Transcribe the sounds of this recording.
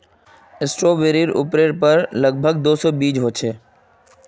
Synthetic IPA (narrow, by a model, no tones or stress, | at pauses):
ɪsʈɾoːbeɾiɾʊ̰pɾeɾpəɾləɡ̚bʱəɡ̚d̪oːsɔbiːd͡ʒɦoːt͡ʃʰeː